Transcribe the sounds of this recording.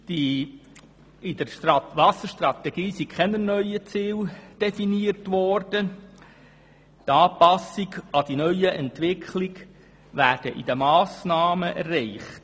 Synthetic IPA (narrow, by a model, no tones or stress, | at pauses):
d̥i | ɪd̪əʋɑsəɾʃt̪rɑt̪ɛɡ̥iːsikχɛnənœʏət͡siːld̥ɛfiniərtʋɔrd̥ə | t̪ɑːpɑsɪɡɑd̥inœʏəʔɛntʋɪkʰχlɪɡ | ʋæːɾd̥əʔid̥̪əmɑːsnɑːməʔɛrːɛɪχt